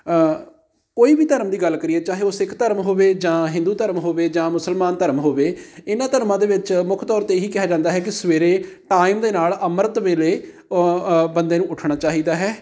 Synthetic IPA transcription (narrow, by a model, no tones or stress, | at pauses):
koːiːbiːt̪əɾmd̪iːɡəlːkəɾiːɛːt͡ʃaːɦeːoːsɪkʰt̪əɾmɦoːʋeːd͡ʒãːɦɪ̃nd̪uːt̪əɾmɦoːʋeːd͡ʒãːmʊsəlmaːnt̪əɾmɦoːʋeːɪnãːt̪əɾmãːd̪eːʋɪt͡ʃmʊkʰt̪ɔːɾt̪eːɦiːkɪɦaːd͡ʒãːnd̪aːɦɛːkɪsəʋeːɾeːʈaːimd̪eːnaːləməɾət̪ʋeːleː | bənd̪eːnũːʊʈʰɳaːt͡ʃaːɦiːd̪aːɦɛː